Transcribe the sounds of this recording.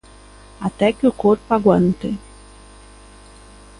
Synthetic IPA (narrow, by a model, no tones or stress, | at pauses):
at̪ɛkɪʊkoɾpʊaɡwant̪ɪ